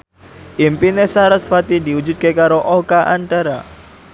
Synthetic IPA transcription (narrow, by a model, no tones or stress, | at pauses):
ʔimpinesaɾəsfat̪idiwud͡ʒut̪̚kekaɾoʔokaʔanʈ̪aɾa